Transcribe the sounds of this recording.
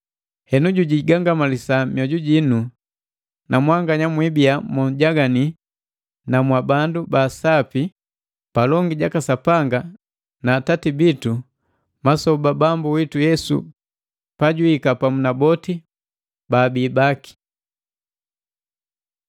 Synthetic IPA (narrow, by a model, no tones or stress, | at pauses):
hɛnuɟuɟiɡaŋɡamalisamjɔɟuɟinu | namwaŋɡaɲamwibiamɔɲɟaɡani | namwabandubasapi | palɔŋɡiɟakasapaŋɡa | naːtatibitu | masɔbabambuwitujɛsṵ | paɟuhikapamunabɔti | baːbiːbaki̥